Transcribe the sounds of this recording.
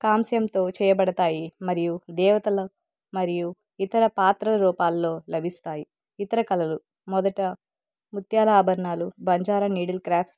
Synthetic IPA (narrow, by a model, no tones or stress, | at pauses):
kaːmsɐjɐmt̪o̞ːt͡ʃɛːjɐbɐɽɐt̪aːjimɐɾijud̪ɛːʋɐt̪ɐlɐ | mɐɾiju | it̪ɐɾɐpaːt̪ɾɐlɐɾuːpaːlːo̞ːlɐbʱist̪aːji | it̪ɐɾɐkɐlɐlu | mɔd̪ɐʈɐ | mut̪jaːlɐaːbʱɐɾɳaːlubɐɲd͡ʒaːɾɐniːɽɐlkɾaːpʰs